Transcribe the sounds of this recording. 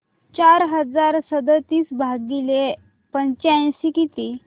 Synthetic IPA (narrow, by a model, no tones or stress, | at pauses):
t͡ɕaɾɦəd͡zaɾsəd̪ət̪iːsbʱaɡile | pəɲt͡ɕãɕikit̪iː